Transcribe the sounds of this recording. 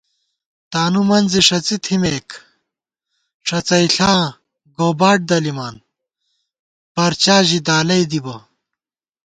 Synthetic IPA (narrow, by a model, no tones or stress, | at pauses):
t̪aːnumɐnd͡ziʂɐt͡sit̪ʰimeːk | ʂɐt͡sɐjɬãː | ɡoːbaːʈ̚d̪ɐlimaːn | bɐɾt͡ɕaːʑid̪aːlɐjd̪ibɐ